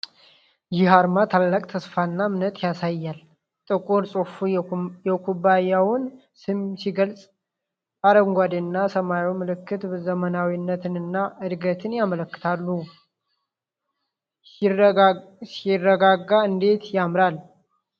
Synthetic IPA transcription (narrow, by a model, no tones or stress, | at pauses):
jɪhaɾmat̪ʰalːakʼt̪ʰəsfanːamnət̪ʼjasajːal | t̪ʼɨkʼoɾsʼofujɛkʰubajawʊn | sɨmsiɡəlt͡sʼ | aɾəŋɡʷad̪ɨnːasəmajumɨlɨkːɨt̪bɨzəmənawinːət̪ʰɨnɨnːaɨd̪ɡət̪ʰɨnjamələkːɨ̥t̪ʰalːu | sɪrːəɡaɡːaɨnd̪e̞t̪jamɾal